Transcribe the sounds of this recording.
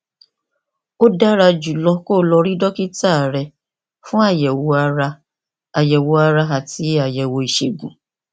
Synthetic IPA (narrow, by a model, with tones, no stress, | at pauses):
o˦da˦ɾa˧d͡ʒu˨lɔ˧ko˦˨lɔ˧ɾi˦dɔ˦ki˦ta˦˨ɾɛ˧ | fũ˦a˦˨jɛ˨wo˧a˧ɾa˧ | a˨jɛ˨wo˧a˧ɾa˧ɦa˨ti˨˦a˨jɛ˨wo˧i˨ʃe˨ɡũ˨